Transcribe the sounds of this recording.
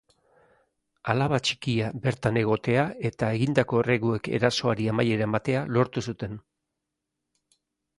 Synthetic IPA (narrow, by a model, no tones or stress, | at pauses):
alaβat͡ʃi̥kiabe̞ɾt̪ane̞ɣ̞o̞t̪e̞ae̞t̪ae̞ɣind̪ako̞re̞ɣue̞ke̞̰ɾaso̞aɾiamaje̞ɾamat̪e̞alo̞ɾt̪usut̪e̞n